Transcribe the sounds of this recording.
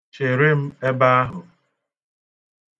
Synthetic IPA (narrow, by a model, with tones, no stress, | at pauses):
t͡ʃe˨ɾɪ˦m̩˦e˦ba˦a˦ɦʊ˨